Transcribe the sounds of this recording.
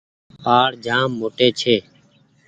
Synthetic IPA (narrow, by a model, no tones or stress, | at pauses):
paːɽd͡ʒʱaːmːoːʈeːt͡ʃʰeː